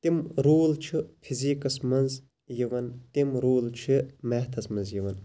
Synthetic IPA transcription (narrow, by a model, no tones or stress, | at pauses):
t̪imɾuːlt͡ʃʰɨpʰiziːkɐsmɐnz | jiʋɐnt̪imɾuːlt͡ʃʰɨmeht̪ʰɐsmɐnzjiʋɐn